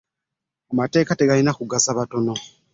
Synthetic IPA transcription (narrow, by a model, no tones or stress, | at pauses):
amate̞ːkateɡalinakuɡasaβato̞no̞